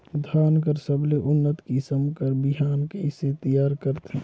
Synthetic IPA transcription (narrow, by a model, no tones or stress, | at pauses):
d̪ʱaːnkəɾsəbleʔʊnːət̪kisəmkəɾbɪɦaːnkeɪset̪əjaːɾkəɾt̪ɦɛ̃ː